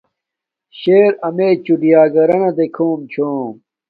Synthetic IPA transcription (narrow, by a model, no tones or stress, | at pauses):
ɕeːɾɐmeːt͡ɕuɖijaːɡɐɾɐnɐd̪ekʰoːmt͡ɕʰoːm